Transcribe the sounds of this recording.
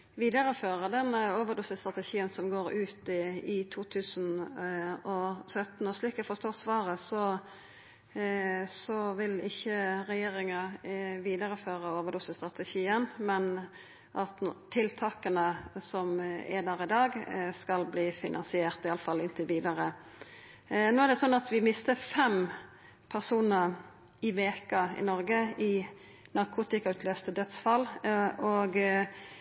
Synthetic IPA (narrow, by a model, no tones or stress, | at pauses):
ʋiːd̪əɾəføːɾəd̪ɛnːəoːʋəd̪ʊsəst̪ɾʁɑt̪əʃiːənsɔmɡoːɾʉːt̪ɪt̪ʰuːt̪ʰʉːsən | ɔsœt̪nɔsliːkɛfɔst̪oːʁsʋɑːɾəsɔ | sɔʋɪlɪçːəɾɛjeːɾɪŋəʋiːd̪əɾəføːʁəoːʋədɖʊsəst̪ɾʁɑt̪əçiːənmɛn | ʔɑt̪t̪ʰːɪlt̪ʰɑːkənəsɔmɛ̰d̪æːɾɪd̪ɑːɡskɑlbliːfɪnʔɑ̰nsɪeːʁt̪ɪɑləfɑlɪnt̪əʋiːd̪əɾə | noːæʁd̪ɛsɔnːɑt̪ʋɪmɪst̪əfɛm | pʰæʁsuːnəɾ | ɪʋeːkəɪ̰nɔʁɡəɪ | nɑʁkʰuːt̪ɪkɑʉːt̪ʰløːst̪əd̪œt̪sfɑlːɔɡ